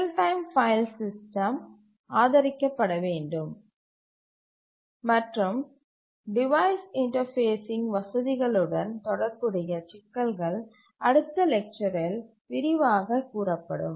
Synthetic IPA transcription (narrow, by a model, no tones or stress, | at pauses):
lʈɐɪmfɐɪlsɪsʈɐm | aːðɐɾɪkːɐpːɐɽɐʋeːɳɖɯm | ɐʈrɯm | ɖɪʋɐɪsɪɳʈɐɾfeːsɪŋɡʋɐsɐðɪɣɐɭɯɽɐnt̪ɔɽɐɾkɯɽɪjɐt͡ʃɪkːɐɭɣɐɭ | ɐɽɯt̪ːɐlɛk̚t͡ʃɐɾɪl | pɪɾɪʋaːɣɐkːuːrɐpːɐɽɯ̰m